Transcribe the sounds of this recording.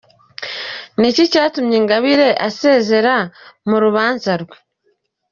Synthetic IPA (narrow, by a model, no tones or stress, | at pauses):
nicicaːtumɲeŋɡaβiɾe̞ʔaseːze̞ɾamuɾuβaːnzaɾwe